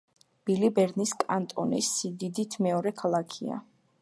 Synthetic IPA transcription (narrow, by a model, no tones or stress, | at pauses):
b̥ilibɛɾniskʼa̰nt̪ʼɔnḭsid̪id̪it̪ʰmɛɔɾɛkʰalˠakʰia̰